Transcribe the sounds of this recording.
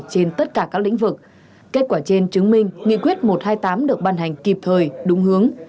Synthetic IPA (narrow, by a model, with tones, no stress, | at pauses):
t͡ɕe˧nt̪ə˦˥t̚kaː˧˩kaː˦˥k̚lḭ˧˥ŋ̟vɨ˨˩k̚ | ke˦˥t̚kwaː˧˩t͡ɕe˧nt͡ɕɨ˨˦əŋmï˧ŋ̟ŋḭ˧˨kwi˦˥ət̚mo˨˩t̚haː˧jt̪aː˨˦mɗɨ˨˩ək̚ɓaː˧nɦa˨˩jŋ̟ki˨˩p̚t̪ʰəː˨˩jɗʊ˨˦ŋ͡mhɨ˨˦əŋ